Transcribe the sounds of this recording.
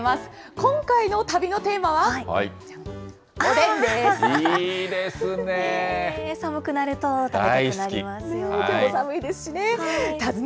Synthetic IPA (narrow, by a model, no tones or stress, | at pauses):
masɨ̥kõ̞ŋkaino̞t̪abʲino̞t̪e̞ːmaβaha̰i | od̪ẽnd̪e | d̪esɨnesamɯ̟kɯ̟naɾɯ̟t̪o̞t̪aeainaɾʲimasjk̪eosamɯ̟id̪esɨ̥ɕine̞t̪azɨ